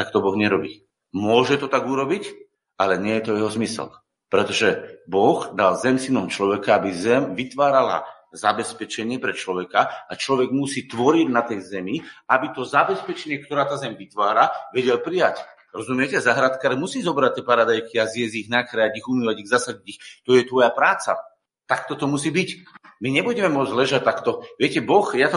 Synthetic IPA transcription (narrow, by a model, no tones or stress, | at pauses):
t̪akt̪ɔbɔɣɲɛɾɔbḭː | mʊɔʒɛt̪ɔt̪aɡuɾɔbic | alɛɲɪɛjɛt̪ɔjɛɦɔzmisɛ̰l | pɾɛt̪ɔʒɛbɔɣd̪alzɛmsinɔmt͡ʃlɔʋɛkaabizɛmʋit̪ʋaːɾala̰ | zabɛspɛt͡ʃɛɲɪɛpɾɛt͡ʃlɔʋɛkaat͡ʃlɔʋɛɡmusiːt̪ʋɔɾiɟnat̪ɛjzɛmiabit̪ɔzabɛspɛt͡ʃɛɲɪɛk̚t̪ɔɾaːt̪aːzɛmʋit̪ʋaːɾaʋɛɟɛlpɾijac | ɾɔzumɪɛcɛazaɦɾat̪kaɾɛmusiːzɔbɾac̚t̪ːiɛpaɾad̪ajkiazjɛzɟiɣnakɾajaɟiɣumiʋaɟiɣzasaviɟixt̪ɔjɛt̪ʋɔjapɾaːt͡sa̰ | t̪akt̪ɔt̪ɔmusiːbicmiɲɛbuɟɛmɛmʊɔd͡zlɛʒat̪ːakt̪ɔʋɪɛcɛbɔxjat̪ɔ